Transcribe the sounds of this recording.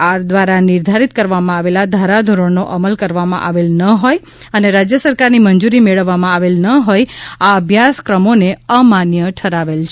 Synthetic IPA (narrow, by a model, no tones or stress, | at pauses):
aɾd̪ʋaɾanɪɾd̪ʱaɾit̪̚kəɾʋamãaʋelad̪ʱaɾad̪ʱoɾəɳnoʔəməlkəɾʋamã̰ʔaʋelnəɦoj | əneɾad͡ʒjəsəɾkaɾnimənd͡ʒuɾimeɭəʋːamãaʋelnəɦojaəbʱjaskɾəmoneəmanjəʈʰəɾaʋelt͡ʃʰ